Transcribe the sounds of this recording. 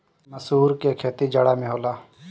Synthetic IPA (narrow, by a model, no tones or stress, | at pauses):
məsuːɾkekʰeːt̪id͡ʒəɽaːmẽɦoːlaː